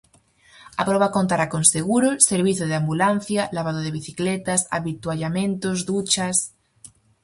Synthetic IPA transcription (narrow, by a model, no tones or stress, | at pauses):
a̰pɾoβakont̪aɾakonseɣ̞uɾoseɾβ̞iθjoð̞eambulan̟θjalaβ̞aðoð̞eβ̞iθiklet̪asa̰βit̪waʎamẽnt̪ozðut͡ʃas